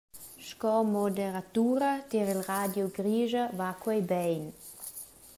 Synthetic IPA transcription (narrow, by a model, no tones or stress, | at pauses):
ʃkɔmod̪eɾat̪uɾɐt̪iɾilʁad̪joɡɾiʒɐvakwɔjbɛjn